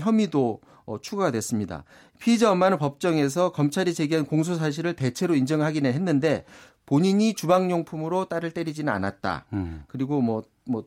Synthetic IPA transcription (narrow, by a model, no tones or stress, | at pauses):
çjʌmido | ʌt͡ɕʰuɡadwe̞s͈ɯmɲida̰ | pʰiːd͡ʑaʌmːanɯnpʌp̚t͡ɕ͈ʌŋe̞s̬ʰʌkʌmt͡ɕʰaɾit͡ɕe̞ɡiɦankoŋs̬ʰos̬ʰaɕ̬ʰiɾɯɭte̞t͡ɕʰe̞ɾoind͡ʑʌŋɭɦaɡineɦenːɯnde̞ | poɲiɲit͡ɕubaŋɲoŋpʰumɯɾot͈aɾɯɭt͈e̞ɾid͡ʑinɯna̰nat̚t͈a̰kɯɾiɡomwʌ | mʌ